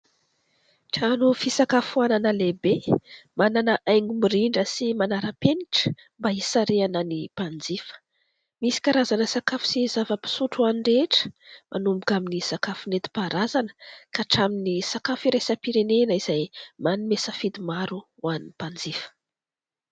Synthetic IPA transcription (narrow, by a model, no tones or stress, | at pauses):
ʈ͡ʂanufisakafuananəlebemananəʔajŋumiɾiɳɖ͡ʐəsimanaɾapeniʈ͡ʂə̥ | mbaisaɾeanənipand͡zifə̥ | misi̥kaɾazanəsakafu̥sizavəpi̥suʈ͡ʂuanireʈ͡ʂə̥mʔa̰numbukaminisakafunet̪i̥paɾazanə̥kaʈ͡ʂaminisakafiɾesəpiɾenenəiz̥ajmanimesəfid̪imaɾu | wanːipand͡zifə̥